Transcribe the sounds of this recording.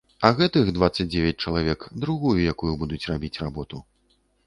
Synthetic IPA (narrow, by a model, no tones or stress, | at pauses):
ɐɣɛt̪ɨxd̪vat̪sːɐt͡s̚ʲd͡zʲevʲɐt͡sʲt͡ʂɐlˠavʲɛkd̪ɾuɣujujakujubud̪ut͡sʲrabʲit͡sʲrabɔt̪u